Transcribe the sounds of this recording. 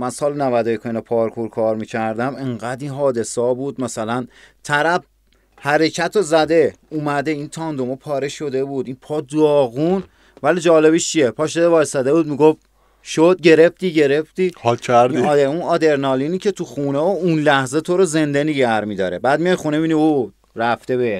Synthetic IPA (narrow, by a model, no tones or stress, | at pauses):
mænsɒːlnævæd̪ojekʰoinopʰɒːɾkʰuɾkʰɒːɾmicʰæɾd̪æmeɴɢæd̪inɦɒːd̪e̞sɒːbuːd̪mæsælænt̪ʰæɾæb | hæɾe̞cʰæt̪ʰozæd̪e̞ | uːmæd̪e̞int̪ʰɒːnd̪omopʰɒːɾeʃo̞d̪ebud̪inpʰɒːd̪ɒːɣun | vælid͡ʒɒːlebiʃt͡ʃʰijepʰɒːʃed̪evɒːjsæd̪ebuːd̪miɡof | ʃod̪̚ɟe̞ɾe̞ft̪iːɟe̞ɾe̞ft̪iːhcʰæɾiieunɒːd̪e̞ɾnɒːliniːcʰe̞t̪ʰuxuːneounlæhzet̪ʰoɾoze̞nd̪eniɟæɾmid̪ɒːɾebæːd̪mijɒjxuneiniu | ɾæft̪e̞βe